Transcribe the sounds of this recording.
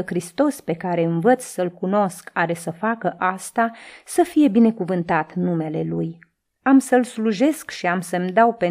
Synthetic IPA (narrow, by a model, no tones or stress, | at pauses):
xɾist̪o̞spe̞kaɾe̞ɨnvət̪ssəlkuno̞skaɾe̞səfakəʔast̪asəfije̞bine̞kuvɨnt̪at̪nume̞le̞luj | amsəlsluʒe̞skʃiamsəmd̪awpe